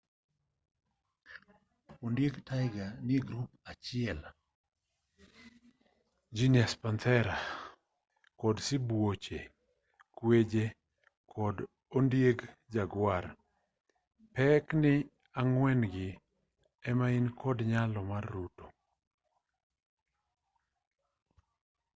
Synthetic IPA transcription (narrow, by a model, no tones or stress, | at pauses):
ondjeɡtajɡanɪɡɾupat͡ʃɪɛl | d͡ʒiniaspant̪ʰɛɾa | kɔdsɪbwot͡ʃe | kwed͡ʒe | kʰɔd | ondjeɡd͡ʒaɡwar | pɛknɪ | aŋwɛnɡɪ | ɛmainkʰɔdɲalɔmarːuto